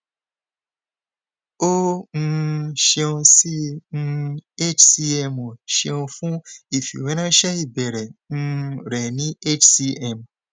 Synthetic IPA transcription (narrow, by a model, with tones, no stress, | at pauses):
o˦ŋ̩˧ʃe˧ɔ̃˧si˦ŋ̩˧e˦t͡ʃsi˧ɛ˧mɔ̃˨ʃe˧ɔ̃˧fũ˦i˨fṵ˨wɛ˨˦nã˦ʃɛ˦i˦˨bɛ˨ɾɛ˨ŋ̩̃˧ɾɛ˨nĩ˨˦e˦t͡ʃsi˧ɛ˦˨m